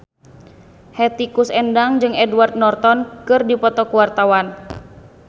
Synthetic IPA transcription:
hɛt̪ikusɛndaŋd͡ʒɨŋɛduward̪̚nɔrt̪ɔnkɨrdipɔt̪ɔkuwart̪awan

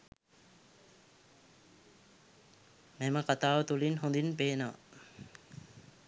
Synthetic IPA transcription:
meməkat̪aːʋət̪ulinɦond̪inpeːnəʋə̰

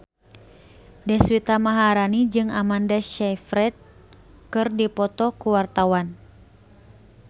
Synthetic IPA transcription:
dɛswit̪amaɦaɾanid͡ʒɨŋamandaʃɛfɾɛt̪̚ | kɨrdipɔt̪ɔkuwart̪awan

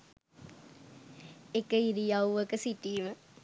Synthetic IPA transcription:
ekəiɾijawʋəkəsiʈiːmə

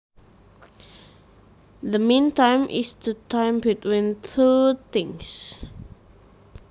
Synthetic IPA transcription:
ðəmĩntãɪ̃mʔḭsdətʰãɪ̃mbitwĩnt̪ʰut̪ɪ̃ŋs

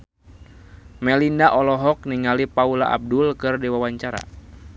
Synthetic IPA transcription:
mɛlinaʔɔlɔɦɔk̚niŋalipaulaʔa̰b̚dulkɨrdiwawaɲt͡ʃaɾa̰

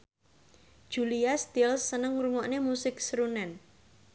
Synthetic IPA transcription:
d̥ʒ̥uliast̪ɪlsːənəŋɾuŋɔʔnemusɪk̚sɾunɛn

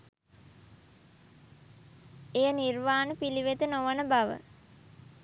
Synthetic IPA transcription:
ejənirʋaːnəpiliʋet̪ənoʋənəbaʋə̰

